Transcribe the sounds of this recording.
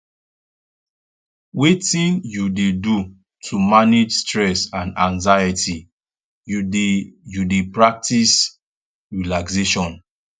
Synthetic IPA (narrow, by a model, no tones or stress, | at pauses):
wetĩnjudedu | tʰumaned͡ʒstɹɛsãnãnzajəti | judepɹak̚tis | ɹilakseʃɔ̃n